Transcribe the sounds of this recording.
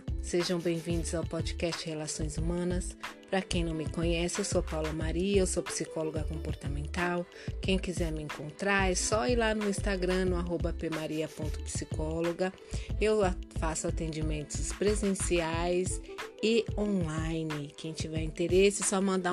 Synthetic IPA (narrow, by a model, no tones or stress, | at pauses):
seʒɐ̃w̃bẽj̃vĩnd̪ʊzawpɔd͡ʒikɛst͡ʃɪhelasõj̃zumɐ̃nɐspɾɐkẽj̃nɐ̃w̃mɪkõɲɛsɪewsopawlɐmaɾiɐewsopi̥sikɔloɡɐkõpoɾt̪amẽnt̪aw | kẽj̃kizɛɾmɪẽŋkõnt̪ɾaɾsɔilanʊĩst̪aɡɾɐ̃nʊaɦobɐpemaɾiɐpõnt̪ʊ̥pi̥sikɔloɡɐ | ewfasʊat̪ẽnd͡ʒimẽnt̪ʊspɾezẽsiajsɪõlajnɪkẽj̃t͡ʃivɛɾĩnt̪eɾesɪsɔmɐ̃nd̪a